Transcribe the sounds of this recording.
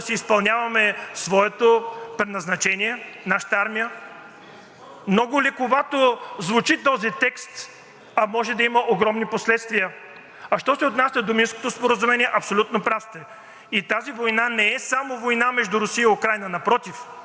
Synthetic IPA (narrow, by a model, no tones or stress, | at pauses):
sɛispɐlˠnʲavɐmɛsvɔɛt̪opɾɛd̪nɐznɐt͡ʃɛniɛnaʃə̥t̪aɾmijə | mnɔɡʊlikoɡat̪ozvut͡ʃit̪ɔzit̪ɛkst̪ | ɐmɔʒɛd̪ɐiməʔoɡɾɔmniposlɛt̪st̪vijə | ɐʃt̪ɔsɛot̪nasʲəd̪ominsko̥t̪ospoɾəzumɛniɛʔɐpsolʲut̪nopɾaft̪ɛ | it̪azivojnanɛɛsamovojnamɛʒd̪ʊɾʊsiəiʊkɾajnənɐpɾɔt̪if